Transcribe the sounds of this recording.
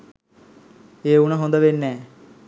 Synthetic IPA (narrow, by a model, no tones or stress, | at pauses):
eːunəɦond̪əʋenːɛː